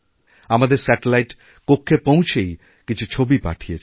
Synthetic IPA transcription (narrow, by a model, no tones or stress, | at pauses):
amad̪eɾsɛʈelajʈ | kokʰːepõw̃t͡ɕʰej | kit͡ɕʰut͡ɕʰobipa̰ʈʰijet͡ɕʰ